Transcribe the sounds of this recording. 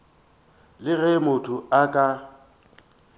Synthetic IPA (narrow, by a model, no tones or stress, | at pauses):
lɪɣɛmʊtʰʼʊakʼa